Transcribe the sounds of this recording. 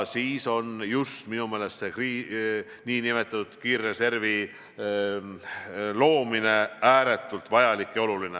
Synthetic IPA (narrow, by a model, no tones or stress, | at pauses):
siːso̞njust̪minumeːle̞st̪sekriː | niːnime̞t̪ːˑɑt̪ut̪kiːrːese̞rvi | lo̞ːmine̞æːɾe̞t̪ːˑult̪vɑjɑlikːˑeo̞luline